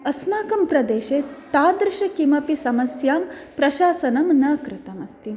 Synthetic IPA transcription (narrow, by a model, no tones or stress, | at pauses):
ɐsmaːkɐmpɾɐd̪eːʃeːt̪aːd̪ɾɪʃɐkimɐpisɐmɐsjaːmpɾɐʃaːsɐnɐmnɐkɾɪt̪ɐmɐst̪im